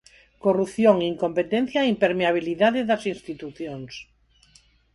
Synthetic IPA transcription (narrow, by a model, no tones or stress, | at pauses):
korupθjoŋiiŋkompet̪ẽn̟θjaimpeɾmeaβ̞iliðaðeðɐsinst̪it̪uθjoŋs